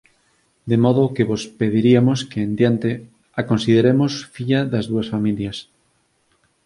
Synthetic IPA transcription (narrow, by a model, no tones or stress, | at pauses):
d̪emoð̞okeβospeð̞iɾiamoskeːnd̪jant̪e | akonsið̞eɾemosfiʎaðazðuasfamiljas